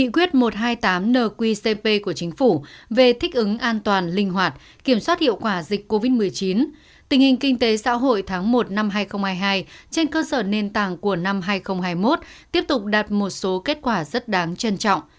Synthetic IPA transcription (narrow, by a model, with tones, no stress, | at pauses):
ŋḭ˧˨kwi˦˥ət̚mo˨˩t̚ɦaː˧jt̪aː˨˦mnəː˨˩kwi˧se˧pe˧ku˧˩ət͡ɕï˨˦ŋ̟fu˧˩ve˨˩t̪ʰï˦˥k̟̚ʔɨ˨˦ŋʔaː˧nt̪waː˨˩nlï˧ŋ̟ɦwaː˨˩t̚ | ki˧˩əmswaː˦˥t̚hḭ˧˨əwkwaː˧˩zi˨˩k̟kːo˧vi˦˥t̚mɨ˨˩əjt͡ɕi˨˦n | t̪ï˨˩ŋhï˨˩ŋ̟kï˧ŋ̟t̪e˨˦sa̰ː˧˥ɦo̰˧˨jt̪ʰaː˨˦ŋmo˨˩t̚na˧mɦaː˧jxə˧wŋ͡mhaː˧jɦaː˧jt͡ɕe˧nkəː˧səː˧˩ne˧nt̪aː˧˩ŋku˧˩əna˧mɦaː˧jxə˧wŋ͡mɦaː˧jmo˦˥t̚t̪i˦˥əp̚t̪ʊ˨˩k͡p̚ɗa˨˩t̚mo˨˩t̚so˨˦ke˦˥t̚kwaː˧˩zə˦˥t̚ɗaː˨˦ŋt͡ɕə˧nt͡ɕɔ̰˧˨wŋ͡m